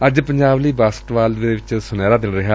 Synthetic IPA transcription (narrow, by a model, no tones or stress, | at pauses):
əd͡ʒpəɲd͡ʒaːbliːbaːsəʈʋaːlʋeeʋɪt͡ʃsʊnɛːɾaːd̪ɪnɾɪɦaː